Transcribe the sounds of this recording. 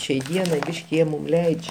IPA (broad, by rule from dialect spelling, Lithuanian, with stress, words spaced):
ʃʲɛɪ ˈdʲiɛnɐɪ ˈbʲiːʃʲkʲɪ ˈjiɛ mʊm ˈlʲɛɪt͡ʃʲ